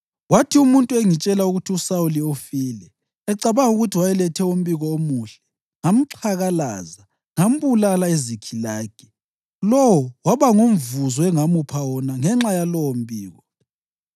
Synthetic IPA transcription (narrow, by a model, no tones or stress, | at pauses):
watʰiumuntʼueŋit͡ʃʼɛlauɣutʰiusawuliofiːlɛ | ɛǀaβaŋuɣutʰiwajɛlɛtʰɛum̩biɣɔomuːɬɛ̥ | ŋam̩ǁʰaɣalaza | ŋam̩βulalaezikʰilaːɡ̥ʱi̥ | lɔwɔwaβaŋum̩vuzɔɛŋamupʰawɔnaŋɛŋ͡ǁajalɔwɔm̩biːɣɔ